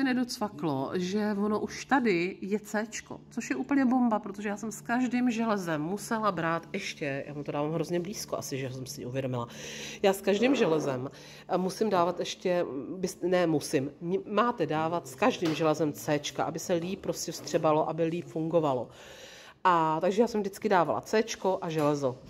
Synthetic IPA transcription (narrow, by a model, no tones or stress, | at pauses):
ɛnɛdot͡sfaklo̰ʒɛvonoʔuʃt̪adɪjɛt͡sɛːt͡ʃko̞̰t͡so̞ʃjɛʔuːpl̩ɲɛbo̞mbapɾot̪oʒɛjaːsɛmskaʒdiːmʒɛlɛzɛmːusɛlabɾaːt̪ɛʃcɛjʔa̰ːmut̪odaːvaːmɦɾo̞zɲɛbliːskoʔa̰sɪʒɛɦos̬ɛmsɪɲɛuvjɛdo̞mɪlajaːskaʒdiːmʒɛlɛzɛm | musɪmdaːvat̪ɛʃcɛbɪsnɛmusɪmɲɪmaːt̪ɛdaːvat̪skaʒdiːmʒɛlɛzɛmt͡sɛːt͡ʃkaʔabɪsɛliːp̚ːɾoscɛfst̪r̥ɛbalo̞ʔabɪliːpfuŋɡo̞valo̞ | ʔat̪aɡʒɛjaːsɛmvdɪt͡skɪdaːvala̰t͡sɛːt͡ʃko̞ʔaʒɛlɛzo̞